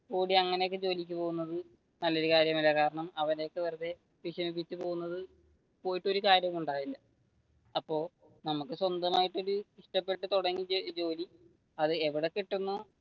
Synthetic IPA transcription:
kuːɽiɐŋːɐneokːɨd͡ʑo̞ːlikʲːupo̞ːɣunːɐðɨ | nɐlːo̞ɾukaːɾjɐmilːɐkaːɾɐɳɐmɐʋɐne̞ːkːɨʋɐɾɐðe | ʋiʂɐmip̬ːit͡ɕːɨpo̞ːɣunːɐðɨ | po̞ːjiʈːo̞ɾukaːɾjɐmuɳɖaːjilːɐ | ɐpːo̞ː | nɐmukːɨswɐnd̪ɐmaːjiʈːo̞ɾuiʂʈɐpːe̞ʈːɨt̪uɽɐŋːid͡ʑo̞ːli | ɐðɨeʋiɽekːiʈːunːo

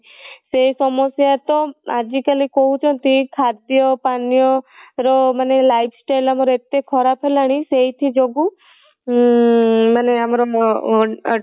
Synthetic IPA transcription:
sesɔmɔsjat̪ɔad͡ʒikalikoɦut͡ʃʰɔnt̪ikʰad̪jɔpanijɔɾɔmanelajpʰsʈajlamɔɾɔet̪ekʰɔɾapʰelaɽ̃iseɦit̪ʰid͡ʒoɡu | maneamɔɾɔmɔ

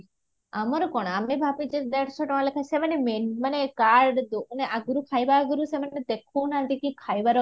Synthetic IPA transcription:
amɔɾɔkɔɽ̃amebʱapid͡ʒed̪ɛʈʰsʰɔʈɔãlekʰajsemanemenmanekaɾɖd̪oneʔaɡuɾukʰajbaɡuɾusemaned̪ekʰunamt̪ikĩkʰajbaɾɔ

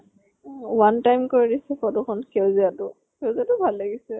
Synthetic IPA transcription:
wantajmkoɹidisɛkɔdɔkʰɔnkʰewziatʊ | kewzatʊbʱalːaɡisɛ

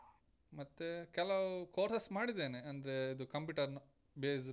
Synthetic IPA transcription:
mɐt̪ːekɛlɐkoːɾsɐsmaːɽid̪eːneɐnd̪ɐɾe̞id̪ukɐmpjuːʈɐɾnu | beːs

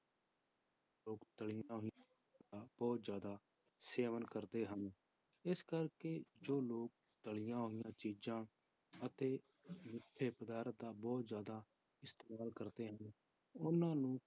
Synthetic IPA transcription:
loːkt̪əɭɪjãːɦoɪã | aːb̥ɔːt̪zjaːd̪aː | seːʋənkəɾd̪eːɦən | ɪskəɾkeːd͡ʒoːloːk̚t̪əɭɪjãːɦoɪjãːt͡ʃiːd͡ʒãː | ət̪eː | mɪʈʰːeːpəd̪aːɾət̪̚d̪aːbɔːt̪zjaːd̪aː | ɪst̪eːmaːlkəɾd̪eːɦən | ʊnãːnũː

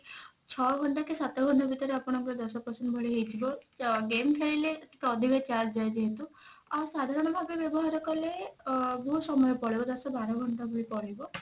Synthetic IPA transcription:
t͡ʃʰɔɡʱɔɳʈakesat̪ɔɡʱɔɳʈabʱit̪ɔɾeapɔɽ̃ɔŋkɔɾd̪ɔsɔpɔɾsɔnbʱɔɽiɦejt͡ʃʰibɔɡemkʰeɭilet̪ʰi̥keɔd̪ʱibet͡ʃasd͡ʒajd͡ʒeɦet̪uasad̪ʱaɾɔɽ̃ɔbʱabebjɔbɔɦaɾɔkɔlebɔɦusɔmɔjɔpɔɭibɔd̪ɔsɔbaɾɔɡʱɔɳʈabʱuɭipɔɽibɔ

